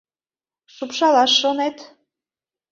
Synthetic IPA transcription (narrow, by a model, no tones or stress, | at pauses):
ʃupʃɑlɑʃːonet̪